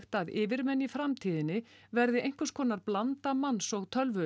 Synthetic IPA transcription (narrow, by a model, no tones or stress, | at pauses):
xt̪aðɪːvɪɾmɛnːifɾamt̪ʰiːðɪnːɪvɛɾðɪʔejŋ̥kʏskʰɔːnaɾplant̪amansɔɣt̪ʰœlvʏ